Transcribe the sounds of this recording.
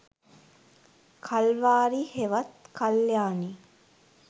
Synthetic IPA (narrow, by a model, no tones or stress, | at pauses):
kʰalʋaːɾiheʋɐt̪kʰaljaːni